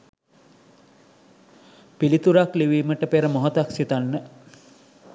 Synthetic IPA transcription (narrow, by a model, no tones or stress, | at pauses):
pilit̪uɾakliʋiːməʈəpeɾəmoɦət̪aksit̪anːə